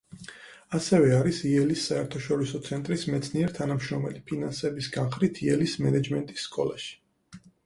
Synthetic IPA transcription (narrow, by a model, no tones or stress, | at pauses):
asɛvɛaɾisiɛlisːaɛɾt̪ʰaʃɔɾisɔt̪sʰɛnt̪ʼɾismɛt̪sʰniɛɾt̪ʰanamʃɾɔmɛ̰lipʰinansɛbisɡanχɾit̪ʰiɛlismɛnɛd͡ʒmɛnt̪ʼisːkʼɔlaʃi̥